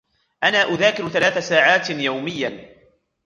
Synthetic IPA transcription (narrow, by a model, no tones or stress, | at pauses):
ʔanaːʔʊðaːkɪɾθalaːθasaːʕaːt̪jawmɪjːa